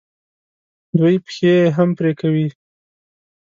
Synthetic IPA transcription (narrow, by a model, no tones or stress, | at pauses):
d̪wujpxeɦampɾekawi